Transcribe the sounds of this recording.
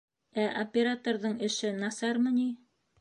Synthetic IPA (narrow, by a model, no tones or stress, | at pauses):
æʔopʲːeɾat̪oɾðɤɴɘ̆ʃɘnɑsɑɾmɤ̆ni